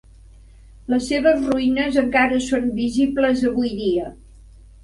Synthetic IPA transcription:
ləsːeβəzruinəzəŋkaɾəsonbizibləzəβujðiə

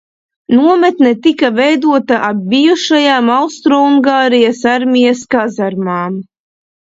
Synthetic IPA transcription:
nuɔmɛt̪nɛt̪ikavɛjd̪uɔt̪aʔab̚ːijuʃajaːmawst̪ɾɔuŋɡaːɾijasaɾmʲijaskazaɾmaːm

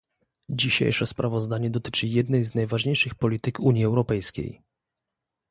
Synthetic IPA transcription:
d͡ʑiɕḛjʂɛspɾavɔzd̪aɲɛd̪ɔt̪ɘ̥t͡ʂɘjɛd̪nɛjznajvaʐɲejʂɘxpɔlʲit̪ɘkuɲjiɛwɾɔpɛjskʲḛj

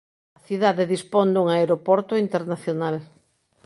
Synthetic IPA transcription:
ɐθiðaðeðispond̪uŋaeɾopɔɾt̪oint̪eɾnaθjonal

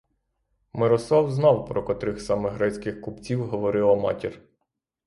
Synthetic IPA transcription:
mɪɾɔslˠɑwznɑwpɾɔkɔt̪ɾɪxsɑmɪɦɾɛt͡sʲkɪxkʊpt͡sʲiwɦɔʋɔɾɪlˠɐmɑ̰tʲir

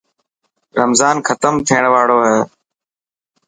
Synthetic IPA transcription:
ɾəmzaːnxʰət̪əmt̪ʰiːəɳʋaːɽoːɦeː

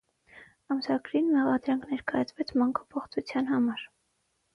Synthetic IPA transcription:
ɑmsɑɡɾinmɛʁɑd̪ɾɑŋkʰnɛɾkɑjɑt͡sʰvɛt͡sʰmɑŋkʰɑ̥pʰɔχt͡sʰut͡sʰjɑnɦɑmɑɾ

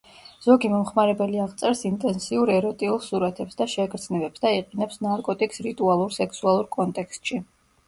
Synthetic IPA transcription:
z̥ɔɡimɔmχmaɾɛbɛliaʁt̪sʼɛɾsint̪ʼɛnsiuɾɛɾɔt̪ʼiulˠsuɾat̪ʰɛpsd̪aʃɛɡɾd̪znɛbɛpsd̪aiqʼinɛpsnaɾkʼɔt̪ʼikʼsɾit̪ʼualˠuɾsɛksualˠuɾkʼɔnt̪ʼɛkst̪ʼʃi

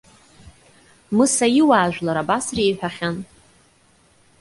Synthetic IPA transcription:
mɨsajiwaːʒᶣʷlaɾabasreːħʷᶣaχʲan

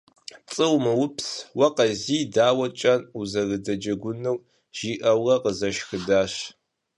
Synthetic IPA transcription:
t͡sʼɨwmɨwʊpswɐqɐziːdaːwɐt͡ʃʼɐnuzɐɣɨdɐd͡ʒɐɡʷʊnɨw | ʒ̥iːʔɐwʁɐqəzɐʃxɨdaːɕ

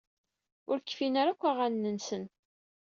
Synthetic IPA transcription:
ʊɾkːfinaɾakʷːaʁanːənsən

